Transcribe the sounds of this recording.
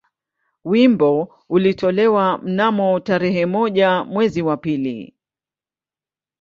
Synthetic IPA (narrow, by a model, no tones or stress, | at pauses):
wimbɔ | ulitʰɔlɛwam̩namɔtaɾɛɦɛmɔʄamwɛziwapilḭ